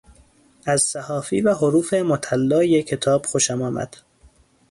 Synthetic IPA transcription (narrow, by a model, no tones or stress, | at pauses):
æz̥sæhɒːfḭːvæɦoɾuːfemot̪ʰælːɒːjekʰːe̞t̪ʰɒːb̥xoʃæmɒːmæ̰d̪̥